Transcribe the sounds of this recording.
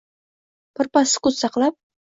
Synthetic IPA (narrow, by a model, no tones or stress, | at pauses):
pɤ̆rpɑsɤ̥kut̪sɑqlˠɑp̚